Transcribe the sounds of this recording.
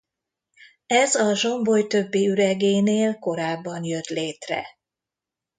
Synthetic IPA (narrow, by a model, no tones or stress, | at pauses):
ɛzɒʒo̞mbo̞jt̪ø̞bːiyɾɛɡeːneːlko̞ɾaːbːɒnjø̞t̪leːt̪rɛ̰